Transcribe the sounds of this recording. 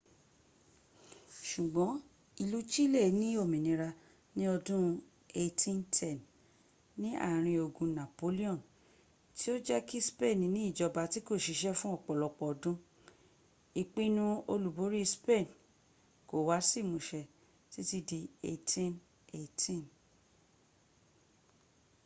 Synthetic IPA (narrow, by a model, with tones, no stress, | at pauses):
ʃu˨ɡ͡bɔ̃˨˦ | i˧lu˦t͡ʃi˦le˦˨˦nĩ˦o˦˨mĩ˨nĩ˨˧ɾa˧ | nĩ˦ɔ˧dũ˦ | e˧tʰĩ˦ntʰɛ˦˨n | nĩ˦a̰˦˨ɾ̃ĩ˧o˧ɡũ˧nã˨po˨˦li˦ɔ̃˦˨n | ti˦o˦d͡ʒɛ˦ki˦spe˦˨n˨nĩ˨˦i˦˨d͡ʒɔ˧ba˧ti˦ko˦˨ʃi˧˦ʃɛ˦fũ˦ɔ˦˨k͡pɔ˨lɔ˧k͡pɔ˨ɔ˨dũ˦ | i˨k͡pĩ˦nũ˧o˧lu˨bo˨˦ɾi˦spe˦˨n | ko˨wa˨˦si˦˨mũ˨ʃɛ˧ | ti˦ti˧di˧e˧tʰĩ˦n | e˨tʰĩ˦˨n